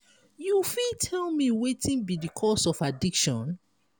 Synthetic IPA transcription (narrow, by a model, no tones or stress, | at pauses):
jufitʰɛlmiwetĩnbidikʰɔsɔfadikʃɔ̃n